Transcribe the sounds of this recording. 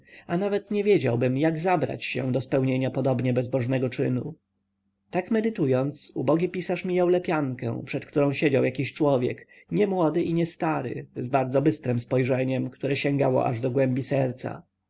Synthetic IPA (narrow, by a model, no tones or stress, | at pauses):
anavɛt̪ɲɛvʲjed͡ʑawbɘmjaɡzabɾa̰t͡ɕɕɛ̰̃d̪ɔspɛwɲeɲapɔd̪ɔbɲɛbɛzbɔʐnɛɡɔt͡ʂɘnu | t̪akmɛd̪ɘt̪ujɔnt̪sṵbɔɡʲipʲisaʂmʲijawlɛpʲjaŋkɛ̰̃w̃pʂɛt̪kt̪uɾɔ̃ɕed͡ʑawjakʲiɕt͡ʂwɔvʲjɛ̰k | ɲɛmwɔd̪ɘʔiɲɛst̪aɾɘ̰zbaɾd̪zɔbɘst̪ɾɛmspɔjʐɛɲɛmkt̪uɾɛɕɛŋɡawɔ̰ʔa̰ʐd̪ɔɡwɛmbʲisɛɾt̪sa̰